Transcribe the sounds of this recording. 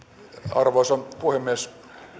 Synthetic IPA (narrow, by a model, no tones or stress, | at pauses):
ɑ̰rʋoːˑsɑnpuhemːies